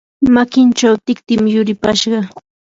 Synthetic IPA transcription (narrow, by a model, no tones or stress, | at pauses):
makɪnt͡ʃawt̪ɪkt̪ɪmjʊɾɪpaʃɢɑ